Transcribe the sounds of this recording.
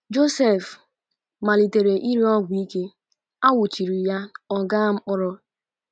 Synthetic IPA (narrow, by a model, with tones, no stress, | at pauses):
d͡ʒo˦se˦˨f | ma˨li˨te˨ɾe˨ʔi˦ɾi˦ɔ˦ɡʷʊ˨i˦ke˦ | a˦wʊ˨t͡ʃi˨ɾi˨ja˦ɔ˦ɡa˦ŋ͡m̩˦k͡pʊ˦ɾɔ˦